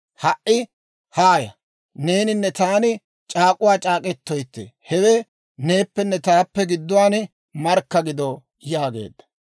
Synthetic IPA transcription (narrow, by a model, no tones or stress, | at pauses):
hɐʔʔɪ | haːjɐ | ne̞ːnɪnːɛt̪aːnɪ | t͡ʃʼaːkʼʊwaːt͡ʃʼaːkʼɛt̪ːɔjt̪ːɛ̰hɛwɛ | ne̞ːpːɛnːɛt̪aːpːɛɡɪd̪ːʊwaːn | mɐɾkːɐɡɪd̪ɔ | jaːɡe̞̰ːd̪ːɐ̥